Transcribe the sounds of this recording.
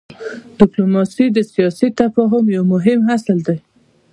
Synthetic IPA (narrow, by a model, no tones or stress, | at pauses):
d̪̥ɪplumɑsid̪əsijɑsit̪afɑɦʊmjawmʊɦɪmɦasəld̪aj